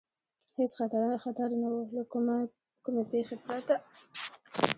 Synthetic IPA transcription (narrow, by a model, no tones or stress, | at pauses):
hesxat̪aɾɑnaxat̪aɾnawola | kʊmepexepɾat̪a